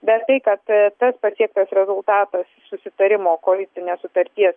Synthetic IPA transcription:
bʲɛt̪t̪ɐɪkɐt̪t̪ɐspɐsʲiɛk̚t̪ɐsɾʲɛzʊlˠt̪ɑːt̪ɐssʊsʲɪt̪ɐɾʲɪmoːkoːlʲɪt̪ʲɪnʲeːssʊt̪ɐɾʲt̪ʲiɛs

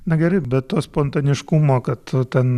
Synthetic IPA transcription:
nʲɐɡʲɛɾɛɪbʲɛt̪t̪oːspoːnt̪ɐnʲɪʃkumoːkɐt̪ʊt̪ʲɛn

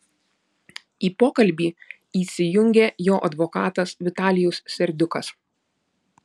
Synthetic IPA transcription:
iːpoːkɐlʲbʲiː | iːsʲɪjʊŋʲɡʲeːjoːʔɐd̪ʋɔkɑːt̪ɐsʋʲɪt̪ɑːlʲɪjɛʊssʲɛɾʲd̪ʲʊkɐs

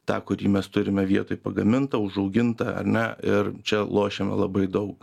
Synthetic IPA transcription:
t̪ɑ̰ːkʊɾʲiːmʲɛst̪ʊɾʲɪmʲɛʋʲiɛt̪oːjpɐɡɐmʲɪnt̪ɐʊʒɐʊɡʲɪnt̪ɐɐ̰ɾʲnʲɛɪrt͡ʃʲɛlˠoːʃʲemʲɛ̰lˠɐbɐɪd̪ɐʊk

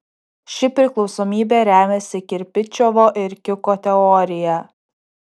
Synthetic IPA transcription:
ʃʲɪpʲɾʲɪklˠɒʊsoːmʲiːbʲeːɾʲæːmʲɛsʲɪkʲɪɾʲpʲɪt͡ʃʲɔʋoːʔɪɾkʲɪkoːt̪ʲɛɔɾʲɪjɛ

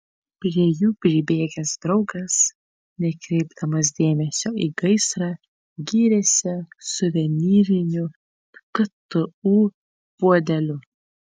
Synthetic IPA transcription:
pʲɾʲiɛjuːpʲɾʲibʲeːɡʲɛsd̪ɾɒʊɡɐs | nʲɛkɾʲɛɪbd̪ɐmɐs̬d̪ʲeːmʲɛsʲoːiːɡɐɪsɾɑː | ɡʲiːɾʲɛsʲɪsʊʋʲɛnʲiːɾʲɪnʲʊ | kɐt̪ʊuː | puɔd̪ʲɛlʲʊ

